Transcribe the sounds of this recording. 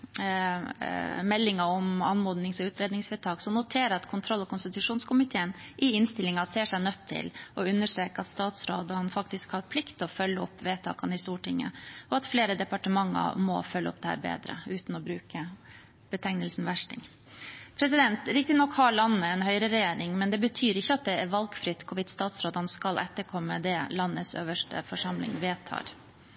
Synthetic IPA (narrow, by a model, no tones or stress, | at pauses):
mɛlːɪŋɑɔmɑnmɔːd̪nɪŋsɔʉːt̪ɾeːd̪nɪŋsʋeːt̪ʰɑːksɔmnʊt̪ʰeːɾəɾɑt̪kʰʊnt̪ʰɾɔlːɔkʰʊnst̪ɪt̪ʉʂuːnskʰʊmɪt̪ʰeːənʔɪɪnst̪ɪlɪŋɑseːʂɛɪnœt̪ʰːɪ̰lɔʉnːəʂʈɾeːkəɑt̪st̪ɑːt̪sɾoːd̪əhɑnfɑkt̪ɪskhɑɾpʰlɪkt̪ʰɔfœlːəɔ̰pːʋeːt̪ʰɑ̰ːkɑnɪst̪uːʈʰɪŋːə̰ɔɑt̪fleːɾəd̪ɛpɑʈəmɑŋːə̰ɾmɔ̰fœlːɔ̰p̚d̪ɛhæ̰ːɾbḛːd̪ɾə̰ʉːt̪n̩ɔbɾʉːkə | b̥ət̪ʰɛŋnəlsn̩ʋæʂʈɪ̰ŋ | pʰɾɛsɪd̪ɛnt̪ɾɪk̚t̪ɪnɔkhɑɭɑnːəɛnɦœʏɾəɾɛjeːɾɪŋmɛnd̪ɛbət̪ʰyːɾɪçːəɑt̪̚d̪ɛɛɾʋɑlɡfɾɪt̪ːkʰʊʋɪt̪st̪ɑːt̪sɾoːd̪ɑnəskɑlʔɛt̪ːəɾkʰɔmːəd̪ɛlɑnːəsø̰ːʋəʂʈə̰fɔʂɑmlɪ̰ŋʋeːt̪ʰɑ̰ːɾ